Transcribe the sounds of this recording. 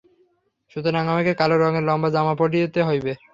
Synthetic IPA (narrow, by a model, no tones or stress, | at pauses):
ʃut̪oɾaŋamekekaloɾɔŋeɾlɔmbad͡ʑamapoɖijot̪eɦojbe